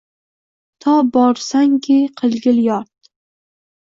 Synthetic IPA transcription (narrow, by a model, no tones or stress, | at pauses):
t̪ʰɒbɒɾsaŋkʲʰɪqʰɨlˠɡʲɪljɒɾt̪